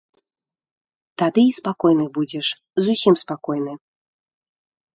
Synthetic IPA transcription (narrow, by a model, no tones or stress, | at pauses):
t̪ad̪ɨispakɔjnɨbud͡zʲɛʂ | zusʲimspakɔjnɨ